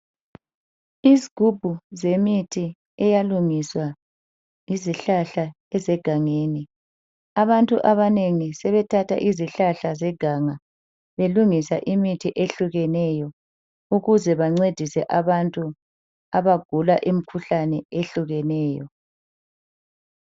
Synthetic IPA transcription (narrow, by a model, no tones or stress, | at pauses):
iziɡ̥ʱub̥ʱuzemitʰi | ɛjaluŋiswa | iziɬaɬa | ɛzɛɡ̥ʱaŋeːni | aβantʼuʔaβaneŋisɛβɛtʰatʰa̰ʔiziɬaɬazɛɡ̥ʱaŋa | βeluŋisa̰ʔimitʰiʔeɬuɣɛnɛjɔ | uɣuzɛβaŋ͡ǀed̥ʱisɛʔaβantʼu | aβaɡ̥ʱulaʔim̩kʰuɬanɛeɬuɣɛnɛːjɔ